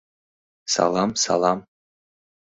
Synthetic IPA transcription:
sɑ̰lˠɑmsɑ̰lˠɑm

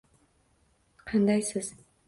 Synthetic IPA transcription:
qʰɑnd̪ɑjsɪz̥

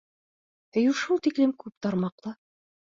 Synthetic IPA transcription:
ɘ̆juʃulˠt̪iklɘmkʉp̚t̪ɑɾmɑqlˠɤ

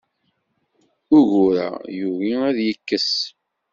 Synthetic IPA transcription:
ʊʝuɾa̰juviæðjəkːəs

